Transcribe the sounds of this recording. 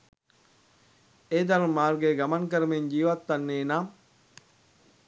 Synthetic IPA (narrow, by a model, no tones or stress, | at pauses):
eːd̪aɾummaːrɡeːɡamaŋkəɾəmeɲd͡ʒiːʋat̪ːanːeːnaː